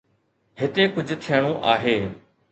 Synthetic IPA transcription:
ɦɪt̪ekʊd͡ʑʱt̪ʰijəɽ̃õːʔaːɦeː

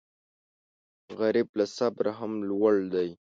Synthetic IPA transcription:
ɣaɾiblasabɾaɦamlwaɭd̪aj

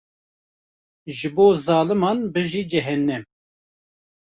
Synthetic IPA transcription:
ʒɨboːzɑːlɨmɑnbɨʒiːd͡ʒɛɦɛnːɛm

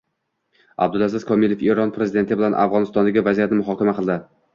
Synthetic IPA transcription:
a̰b̚d̪ʊlˠazɪzkʰɒmilefeɾɒnpʰɾezɪd̪e̞nt̪ɪbɪlanʔa̰fʁɒnɪst̪ɒnlaɡʲɪvazijat̪̚nɪmʊɦɒkʲamaqʰɨlˠd̪ɪ

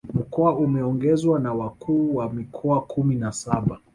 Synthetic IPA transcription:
m̩kɔaumɛɔŋɡɛzwanawakʰuːwamikʰɔakuminasaɓa

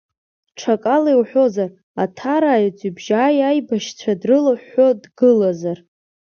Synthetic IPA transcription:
ʈ͡ʂʰakʼalewħʷo̞zar | atʰaɾaːjit͡sʷʼibʒaːjajbaʃt͡ɕʷʰadrɨlaħo̞dɡɨlazar

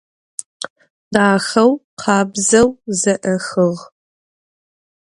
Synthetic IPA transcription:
daːxɐwqʰɑːbzɐwzɐʔɐxɨʁ

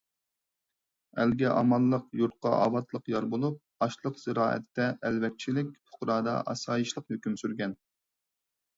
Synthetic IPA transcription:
ælɡʲɛʔɑ̰mɑlˠːəqjuɾt̪̚qɑʔɑ̰ːwɑt̪lˠəqjɑɾbolˠup̚ | ɑʃlˠəqz̥ɨɾɑːɛ̰t̪ʰːɛʔælwɛk̚ʲt͡ʃʰilɪk̚ʲpʰʊ̥qɾɑːd̪ɑ̰ʔɑ̰sɑːjiʃlˠəqhøkʲymsyɾɡʲɛn

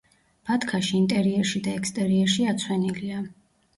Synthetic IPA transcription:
b̥at̪ʰkʰaʃiint̪ʼɛɾiɛɾʃid̪aɛkst̪ʼɛɾiɛɾʃiat̪sʰwɛnilia

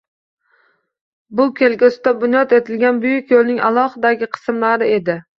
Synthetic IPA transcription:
bʊkʲʰelɡʲʊsɪt̪abʊnjɒt̪e̞t̪ʰɪlɡʲanbʊjɪkʲjolnɪŋa̰lˠɒhɨd̪aɡʲɪqʰɨ̥smlaɾɪe̞d̪ɪ

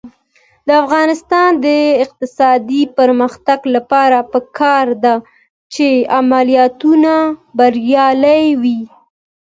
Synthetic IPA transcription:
d̪əafɣɑnɪst̪ɑnd̪əɪq̚t̪ɪsɑd̪ipəɾməxt̪aɡlapɑɾapəkʰɑɾd̪a | t͡ʃeamalijɑt̪unabaɾjɑlajwi

